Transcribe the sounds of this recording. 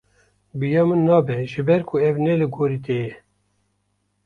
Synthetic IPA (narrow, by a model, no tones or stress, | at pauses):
bɨjɑmɨnːɑːbɛʒɨbɛɾkʰʊɛvnɛlɨɡoːɾiːt̪ejɛ